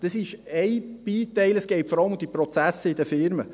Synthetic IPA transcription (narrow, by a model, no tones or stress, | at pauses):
d̥əsɪʃɛɪb̥iːt̪ɛɪləsɡ̥ɛɪtfɔɾɑləmud̪ipɾɔt͡sæsːəidəfɪɾmə